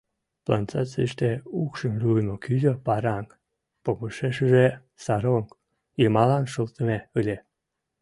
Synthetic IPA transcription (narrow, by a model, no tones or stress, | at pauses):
plɑnt͡sɑt͡siʃt̪eukʃəmlʲujmokyzopɑɾɑŋk | poβuʃeʃəʒe | sɑɾoŋk | ilʲmɑlɑnʃolt̪əmeɯlʲe